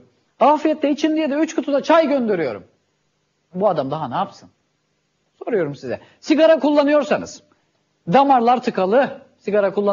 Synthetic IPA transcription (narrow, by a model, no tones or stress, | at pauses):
aːfijɛt̪lːɛit͡ʃʰind̪ijɛd̪ɛyt͡ʃkʰut̪ʰud̪at͡ʃʰajɟønd̪eɾyjo̞̰ɾṵm | buad̪amd̪aɦanaːpsɯn | so̞ɾujo̞ɾumsizɛ̰ | siɡaɾakʰulˠːanɯjo̞ɾsanɯ̰z̥ | d̪amaɾlˠaɾt̪ʰɯkʰalˠɯ | siɡaɾakʰulˠːa